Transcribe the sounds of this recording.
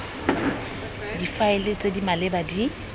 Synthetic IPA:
difaɪlet͡sʼedimalɪbadi

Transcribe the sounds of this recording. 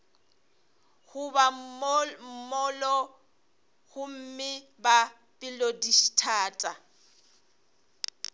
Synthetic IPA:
hʊba | m̩mɔlɔ | hʊm̩mɪ | ba | pʼɪlodiʃi̥tʰaːtʼa

